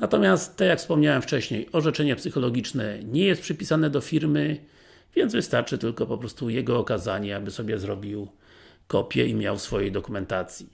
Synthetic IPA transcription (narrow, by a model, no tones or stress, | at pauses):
nat̪ɔmʲjast̪t̪ːɛjakfspɔmɲawɛmft͡ʂɛɕɲejɔʐɛt͡ʂɛɲɛpsɘxɔlɔɡʲit͡ʂnɛɲɛjɛst̪pʂɘpʲisanɛd̪ɔfʲiɾmɘ | vʲjɛnd̪zvɘst̪aɾt͡ʂɘt̪ɘlkɔpɔpɾɔst̪ujɛɡɔːkazaɲɛabɘsɔbʲjɛzɾɔbʲiw | kɔpʲjɛ̰imʲja̰wsfɔjejd̪ɔkumɛnt̪at̪sʲji